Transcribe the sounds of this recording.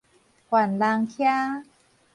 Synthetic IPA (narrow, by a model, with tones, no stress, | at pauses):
kwa˨˩nlaː˧ŋkʰja˥˩